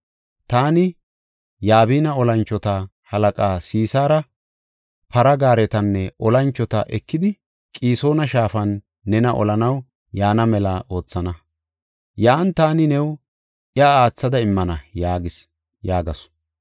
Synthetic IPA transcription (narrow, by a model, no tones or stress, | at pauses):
t̪aːnɪ | jaːβiːnɐɔlɐnt͡ʃːɔt̪ɐ | hɐlɐkʼaːsiːsaːɾɐ | pɐɾɐɡaːɾɛt̪ɐnːɛʔɔlɐnt͡ʃːɔt̪ɐ̰ʔɛkːɪd̪ɪ | kʼiːso̞ːnɐʃaːfɐnː | ɛnɐʔɔ̰lɐnɐw | jaːnɐmɛlaːʔo̞ːt͡sːɐnɐ | jaːnt̪aːnɪnɛw | ʔɪɐaːt͡sːɐd̪ɐɪmːɐnɐjaːɡɪs | jaːɡɐsʊ̥